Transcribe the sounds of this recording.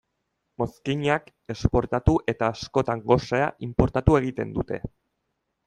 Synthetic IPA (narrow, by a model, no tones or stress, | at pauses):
mo̞skiɲak | e̞spo̞ɾt̪at̪uʔe̞t̪aːsko̞t̪aŋɡo̞sea̰ʔimpo̞ɾt̪at̪ue̞ɣ̞it̪e̞̰nd̪ut̪e̞̰